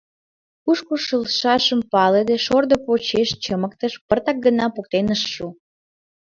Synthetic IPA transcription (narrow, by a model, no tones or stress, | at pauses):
kuʃkoʃəlʃɑʃəmpɑled̪eʃord̪opot͡ɕeʃt͡ɕəmək̚t̪əʃpərt̪ɑk̚ɡənɑpok̚t̪enəʃːu